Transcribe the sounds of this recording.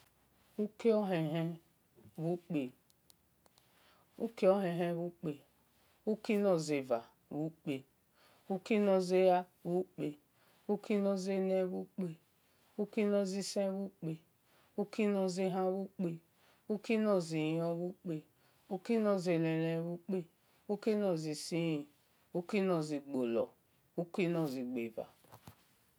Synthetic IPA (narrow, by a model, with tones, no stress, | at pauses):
u˦ke˦ɔ˦ɦe˨ɦɛ˦ | βu˦k͡pe˨ | u˦ke˦o˦ɦe˨ɦe˦βu˦k͡pe˨ | u˦ki˦no˨ze˨va˨ | βu˦k͡pe˨ | u˦ki˦no˦ze˦ja˦ | βu˦k͡pe˨ | u˦ki˦no˦ze˦ne˦βu˦k͡pe˨ | u˦ki˦nɔ˦zi˦sẽ˦βu˦k͡pe˨ | u˦ki˦nɔ˦zi˦ɦa˦wu˦k͡pe˦ | u˦ki˦nɔ˨zi˨˦ɔ˦βu˦k͡pe˨ | u˦ki˦nɔ˦ze˨le˨le˨˦βu˦k͡pe˦ | u˦ki˦nɔ˨zi˨si˦i˨ | u˦ki˦nɔ˨zi˨ɡ͡bo˨lɔ̰˨ | u˦ki˦nɔ˨zi˨ɡ͡be˨va̰˨